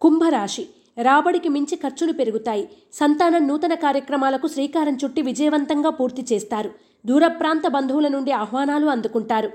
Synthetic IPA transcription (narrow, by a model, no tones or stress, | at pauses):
kumbʱɐɾaːʂi | ɾaːbɐɽikimiɲt͡ʃikʰɐɾt͡ʃunupeɾuɡut̪aːji | sɐnt̪aːnɐnuːt̪ɐnɐkaːɾjɐkɾɐmaːlɐkuʃɾiːkaːɾɐɲt͡ʃuʈːiʋid͡ʒɐjɐʋɐnt̪ɐŋɡaːpuːɾt̪it͡ʃɛːst̪aːɾu | d̪uːɾɐpɾaːnt̪ɐbɐnd̪ʱuʋulɐnuɳɖiaɦʋaːnaːluɐnd̪ukuɳʈaːɾu